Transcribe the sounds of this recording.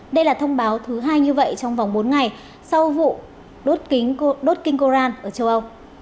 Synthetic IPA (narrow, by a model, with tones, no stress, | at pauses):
ɗə˧jlaː˨˩t̪ʰə˧wŋ͡mɓaː˨˦wt̪ʰɨ˨˦ɦaː˧jɲɨ˧və̰˧˨jt͡ɕɔ˧wŋ͡mva˨˩wŋ͡mɓo˨˦nŋa˨˩j | sa˧wvṵ˧˨ | ɗo˦˥t̚ki˨˦ŋɗo˦˥t̚kï˧˦ŋ̟ko˧zaː˧nʔəː˧˩t͡ɕə˧wʔə˧w